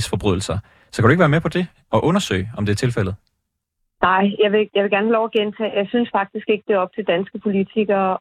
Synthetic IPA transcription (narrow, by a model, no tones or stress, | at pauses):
sfɒ̽b̥ʁyðˠl̩sɐ | sɒ̽kʰæd̥ueɡ̥ʋæːɐmepʰɒ̽d̥e̝ | ɒ̽ʔɔ̽nɐsø̰ɪɒ̽md̥e̝æɐt͡sʰe̝lfel̰ð̞̩ˠ | nɑ̈ɪ̰jɑɪʋe̝jɑ̈ɪʋe̝ɡ̥æɐnhɛlɒʊɐɡ̥ent͡sʰɛ̰ːjɑ̈ɪsynsfɑ̈ɡ̥̚d̥isɡ̥e̝ɡ̥əd̥e̝ɐɒ̽b̥̚t͡sʰe̝ld̥ænsɡ̥əpʰo̝lit͡sʰiɡ̥ɐ